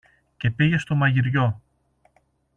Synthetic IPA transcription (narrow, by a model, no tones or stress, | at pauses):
ce̞piʝe̞st̪o̞mɐʝiɾʝo̞